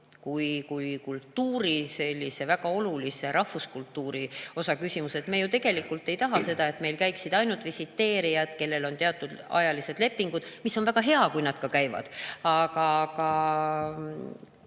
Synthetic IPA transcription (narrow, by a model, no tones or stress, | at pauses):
kujkujkult̪ːuːɾise̞lʲːise̞væɡ̥ɑo̞lulise̞ɾʔɑhuskult̪ːuːɾio̞sɑkysʲimuse̞t̪mejut̪e̞ɡ̥e̞likːˑult̪ːˑe̞jt̪ɑɦɑse̞d̪ɑe̞t̪me̞jlkæjksid̪̥ɑjnult̪visit̪ːe̞ːɾijɑd̪̥ke̞lːe̞lo̞nt̪e̞ɑt̪ːˑud̪ɑ̰jɑlise̞d̪le̞pːˑiŋɡ̥ud̪̥misːo̞nvæɡ̥ɑɦe̞ɑkujnɑd̪̥kɑkæjvɑ̰d̪̥ɑɡɑɡɑ